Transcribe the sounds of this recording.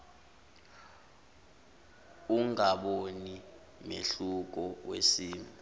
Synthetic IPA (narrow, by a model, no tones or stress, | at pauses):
uŋaɓoni | mḛɬuk̬ɔwesiːm